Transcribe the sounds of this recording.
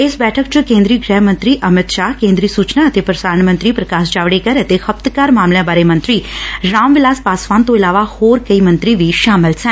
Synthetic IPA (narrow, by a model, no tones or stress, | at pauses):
ɪsbɛːʈʰəkt͡ʃukẽːnd̪ɾiːəɡɾɛːɦmə̃nt̪ɾiːʔəmɪt̪ʃaːɦkẽːnd̪ɾiːsuːt͡ʃnaət̪epɾəsaːɳmə̃nt̪ɾiːpɾəkaːsd͡ʒaːʋɽekəɾet̪ehəpt̪kaːɾmaːmljãbaːɾemə̃nt̪ɾiːɾaːmʋɪlaːspaːsʋaːnt̪oɪlaːʋahoːɾkəimə̃nt̪ɾiʋiʃaːmɪlsɛ̃